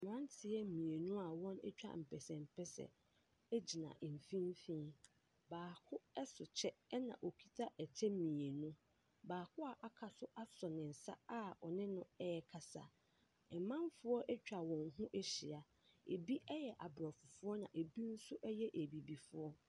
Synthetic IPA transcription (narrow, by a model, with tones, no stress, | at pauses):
mʊ̃˨ã˦n˦tʰɪ˨˦ɛ˦mĩ˨e˨nũ˦a˨wɔ̃˦nɛ̰˦t͡ɕᶣa̰˨m̩˨pʰɛ˨sɛ̃˨m̩˨pʰɛ˦sɛ̰˨ | e˦d͡ʑi˨nã̰˨ʔm˨fĩ˦m˦fĩ˦ | baː˨kʰʊ˦ɛ˦sʊ˨t͡ɕʰɛ˦nã̰˨ʔo˨kʰi˦tʰa˦ʔɛ˨t͡ɕʰɛ˦mĩ˨e˨nũ˦ | baː˨kʰʊ˦a˨ʔa˨kʰa˨sʊ˦ʔa˦sɔ˨nɪ̃˨n̩˨sa˦a˦ɔ˨nɪ̃˦nʊ̃˦ɛ˦ɛ˨kʰa˨sa̰˨ | ɛ˨mã˦mfʊ˦ɔ˦ʔɛ˦t͡ɕᶣa˨wɔ̃˨ŋɦũ˦ʔɛ˦ɕi˨a˨ | ḛ˨bi˦ʔɛ˦jɛ˨ʔa˨bɾɔ˨fʊ˨fʊ˦ɔ˦nã̰˨ʔe˨bi˦n̩˦sʊ˦ʔɛ˦jɛ˦ʔe˨bi˨bi˨fʊ˦ɔ˦